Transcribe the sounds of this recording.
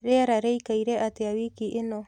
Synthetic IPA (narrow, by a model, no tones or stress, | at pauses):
ɾeaɾaɾejkajɾeʔat̪eawikiʔeno